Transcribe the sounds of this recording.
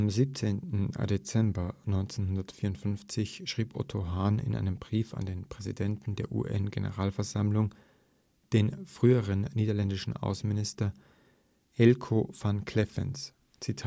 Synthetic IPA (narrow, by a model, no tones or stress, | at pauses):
ʔamziːp̚t͡seːntn̩det͡sɛmbɐnɔʏnt͡senhʊndɐtfiːɐʊntfʏnft͡sɪçʃʁ̥iːpʔɔ̰tʰoɦaːnɪ̰nʔa̰ɪnəmbʁiːfa̰ndeːnpʁ̥ɛzidɛntn̩deːɐʔṵːʔɛ̰nɡenə̰ʁaːlfɛɐzamlʊŋ | d̥eːnfʁ̥yːəʁənːiːdɐlɛndɪʃn̩ʔa̰ʊsn̩mɪnɪstɐ | ʔɛlkʰofankʰl̥ɛfɛ̰ns | t͡sitʰaː